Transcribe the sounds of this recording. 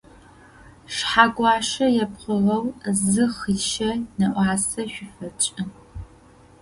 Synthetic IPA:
ʂħaɡʷɑːʂɐjɛpqəʁɐwzɨχiʃɐnɐʔʷɑːsɐʃʷᶣʊfɐt͡ʃʼɐ

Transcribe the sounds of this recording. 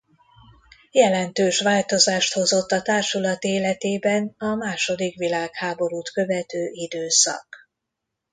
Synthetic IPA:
jɛlɛnt̪øːʃʋaːlt̪o̞zaːʃt̪ho̞zo̞t̪ːɒt̪aːrʃulɒt̪eːlɛt̪eːbɛnɒmaːʃo̞d̪ikʋilaːkhaːbo̞ɾuːt̪kø̞vɛt̪øːʔid̪øːsɒ̰k

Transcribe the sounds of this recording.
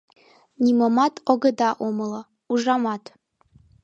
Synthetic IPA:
nʲimomɑt̪oɡə̆d̪ɑʔomɤlˠɤ | uʒɑmɑt̪

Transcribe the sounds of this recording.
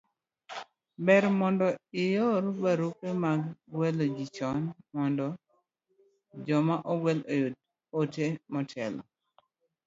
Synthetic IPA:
bɛɾmɔndɔɪjɔɾbaɾukemaɡɡwɛlod͡ʒit͡ʃɔnmɔndɔ | d͡ʒɔmaʔɔɡwɛlojod | otemɔtʰɛlɔ̰

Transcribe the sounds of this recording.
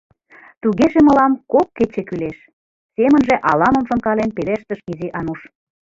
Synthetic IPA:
t̪uɣeʒemə̆lɑmkokːet͡ɕekyleʃ | semənʒĕʔɑ̰lɑmə̆mʃŏnkɑlenpeleʃt̪əʃiziʔɑnuʃ

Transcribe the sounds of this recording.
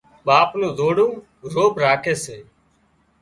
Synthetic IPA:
ɓaːpnũːzoːɽũː | ɾoːbʱɾaːkʰeːseː

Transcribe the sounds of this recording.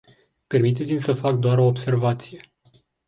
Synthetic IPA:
pe̞rmit̪̬e̞t̪simʲsəfak̚d̪oaɾo̞ːbse̞rvat̪sije̞

